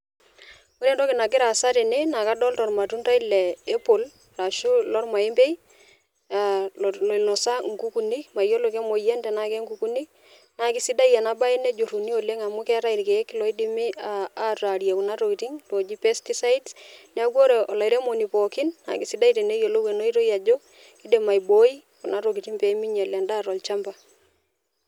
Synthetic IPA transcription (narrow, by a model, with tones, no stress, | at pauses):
ko˦ɾɛ˦ntɔ˦kɪ˨na˨kɪ˦ɾa˨sa˦te˨ne˦na˨ka˦dɔ˦ltɔ˨ɾma˨tu˦nta˦i˦lɛː˨˦po˨l | ra˨ʃu˦lɔ˦ɾma˨ɪ˦mbe˦j | alo˨nɔ˨sa˦ŋ̩ku˦ku˨ni˦kma˨jo˦lo˨ke˦mo˨jɛ˦ntɛ˨na˨kɛ˦ŋku˨ku˦ni˦ | na˨kɪ˨˦si˦da˦ja˨na˦ba˦i˦ne˦d͡ʒo˨ɾu˨ni˦o˨le˦ŋa˨mu˦kɛ˦ɾa˦i˨ɾkɛ˨˦kːɪ˦lɔ˨˦i˦di˦me˦aː˦ta˨ɾja˨ku˨na˦ɾo˨ki˨ti˦ŋto˨d͡ʒi˦pɛ˦sti˦sa˦idsn˦a˦kwo˦ɾe˨ɔ˨la˨i˨ɾe˦mo˨ni˨pɔ˨kɪ˦nːa̰˨ki˨si˦da˦i˦te˨ne˦jo˨lo˦we˨no˦i˦ɾo˦ja˨d͡ʒo˦ | ki˦de˨ma˨jbo˦i˦ | ku˨na˦ɾo˨ki˨ti˦ŋpe˨˦mi˦ɲa˨lja˨nda˦ɾɔ˨lt͡ʃa˦mba˨